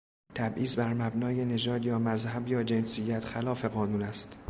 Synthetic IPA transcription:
t̪ʰæbʔiːzbæɾmæbnɒːje̞ne̞d͡ʒɒːd̪jɒːmæzhæbjɒːd͡ʒe̞nsijːæt̪ʰxælɒːfe̞ɣɒːnuːnæst̪

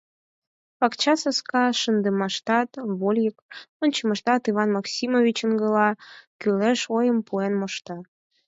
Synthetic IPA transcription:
pɑkt͡ɕɑsəskɑʃənd̪əmɑʃt̪ɑt̪βolʲjəkonʲt͡ɕəməʃt̪ɑt̪iβɑnmɑksʲimovʲit͡ɕə̆nɡəlɑkyleʃojəmpuenmoʃt̪ɑ

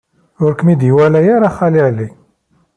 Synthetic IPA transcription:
ʊɾkmid̪jwælæjaɾaχæliʕlik

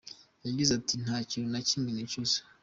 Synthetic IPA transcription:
jaɟizatin̥haːciɾonaciːmɡinecose̥

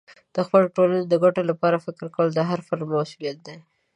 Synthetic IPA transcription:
d̪̥əxpəloʈoləned̪əɡaʈolapɑɾafɪkɪɾkawəld̪əɦaɾfaɾlmasulijat̪̚d̪e

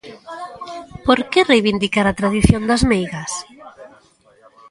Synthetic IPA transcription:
poɾkerejβind̪ikaɾat̪ɾað̞iθjond̪azmejɣas

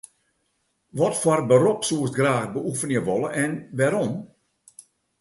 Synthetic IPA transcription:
ʋɔtfɔrbəɾopsuəstɡraːxbəufənjəʋoləʔɛnʋɛɾom

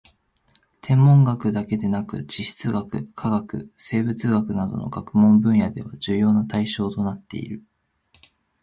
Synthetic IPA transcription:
t̪ʰẽ̞mːõ̞ŋɡakɯ̟d̪ake̞d̪e̞nakɯ̟d͡ʑiɕi̥t͡sɨɡakɯ̟̰kʰaɡakɯ̟̰se̞ːbɯ̟t͡sɨɡakɯ̟nad̪o̞̰no̞̰ɡ̥akɯ̟mõ̞mbɯ̟̃ɰ̃jad̪e̞β̞aʑɨːjo̞ːnat̪aiɕo̞ːt̪o̞nat̪ːe̞̰ḭɾɯ̟

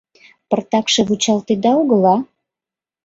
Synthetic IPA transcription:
pərt̪ɑkʃeβut͡ɕɑlt̪ed̪ɑoɣəlɑ

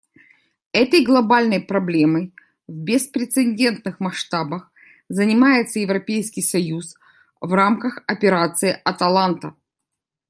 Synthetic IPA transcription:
ɛt̪əjɡlˠɐbalʲnəjpɾɐblʲe̞məj | vʲbʲɪspɾʲɪt̪sɨnʲdʲe̞nt̪nɨxmɐʂt̪abəx | zənʲɪmajɪt̪səjɪvɾɐpʲejskʲɪjsɐjus | vramkəxɐpʲɪɾat̪sɨɪʔɐt̪ɐlˠant̪ə

